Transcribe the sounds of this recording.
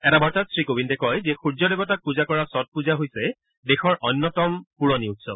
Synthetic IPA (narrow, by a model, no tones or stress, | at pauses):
ɛtabɔɹtatsɹikobintɛkɔjzɛxuɹd͡ʒɔdebɔtak̚puzakɔɹasɔt̚puzaɦojsɛ | dexɔɹʔɔnːɔtɔmpuɹoniutsɔ̰b̚